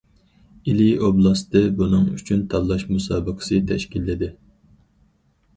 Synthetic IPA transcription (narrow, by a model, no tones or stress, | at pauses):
ilioblˠɑst̪ɨbunɨŋyt͡ʃʰynt̪ʰɑlˠːɑʃmusɑːbəqʰə̥sɨt̪ʰɛʃkʲilːɪd̪ɪ